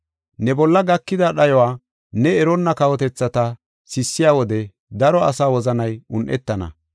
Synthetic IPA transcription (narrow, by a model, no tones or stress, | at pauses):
nɛbɔlːɐɡɐkːɪd̪ɐɗɐjɔwaː | nɛːɾɔnːɐkɐwɔt̪ɛt͡sːɐt̪ɐ | sɪsːɪjaːwɔd̪ɛ | d̪ɐɾɔɐsaːwɔzɐnɐjʊnʔɛ̰t̪ːɐnɐ̰